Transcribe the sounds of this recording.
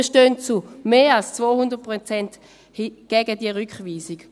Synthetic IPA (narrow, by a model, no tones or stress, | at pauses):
ʃtøːnt͡sumeːalst͡svoːhundət̚pʁot͡sɛnt | hɡ̥ɛɡədiəʁykχviːsik